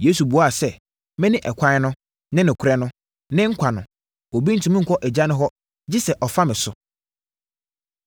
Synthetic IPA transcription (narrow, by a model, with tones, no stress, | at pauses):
je˦su˨bu˨˦a˨sɛ˦˨ | mɪ̃˦nɪ̃˦ʔɛ˨kʷʰã˦ɪ˦nʊ̃˦ | nɪ̃˦nɪ̃˨kʷʰʊ˨ɾɛ˦nʊ̃˦ | nɪ̃˦ŋ̩˦kʷʰa˨nʊ̰̃˨ | o˨bĩ˦n̩˦tʰũ˨mɪ̃˦ŋ̩˨kʰʷɔ˦ʔɛ˨d͡ʑa˦nʊ̃˦ɦɔ˦ | d͡ʑɪ˦sɛ˨ʔɔ˨fa˦mɪ̃˨sʊ˦